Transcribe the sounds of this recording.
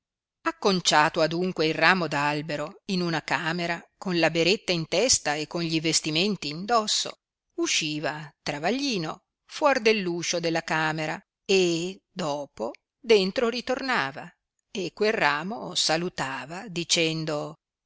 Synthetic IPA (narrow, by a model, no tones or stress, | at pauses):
akːont͡ʃaːt̪oad̪uŋkweilraːmod̪albeɾoinunakaːmeɾakonlabeɾet̪ːaint̪ɛst̪aekːonɲʎivest̪iment̪iːnd̪ɔsːo̰ | uʃːiːvat̪ɾavaʎːiːno | fwɔrd̪elːuːʃod̪elːakaːmeɾa | ed̪ɔːpo | d̪ent̪ɾoɾit̪ornaːva̰ | ekːwelrːaːmosalut̪aːvad̪it͡ʃɛnd̪o